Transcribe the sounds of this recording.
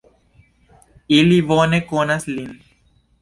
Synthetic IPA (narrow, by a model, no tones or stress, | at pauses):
iliʋoːnekoːnɐslin